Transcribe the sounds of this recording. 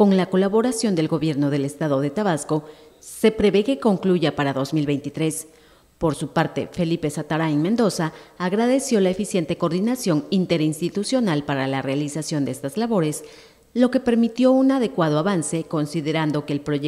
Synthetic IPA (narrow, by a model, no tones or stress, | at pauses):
ko̞ŋlako̞laβo̞ɾasjo̞nd̪e̞lɣo̞βje̞ɾno̞ðe̞le̞st̪aðo̞ðe̞t̪aβasko̞ː | e̞pɾe̞βe̞ke̞ko̞ŋkluʝapaɾaðo̞zmilβe̞jnt̪it̪ɾe̞s | po̞ɾsupaɾt̪e̞̰fe̞lipe̞sat̪aɾaiŋmend̪o̞saːɣɾaðe̞sjo̞laefisje̞nt̪e̞ko̞ɾðinasjo̞ŋint̪e̞ɾinst̪it̪usjo̞nalpaɾalare̞alisasjo̞nd̪eest̪azlaβo̞ɾe̞s | lo̞ke̞pe̞ɾmit̪jo̞unaðe̞kwað̞o̞aβanse̞ko̞nsiðe̞ɾand̪o̞ke̞ːlpɾo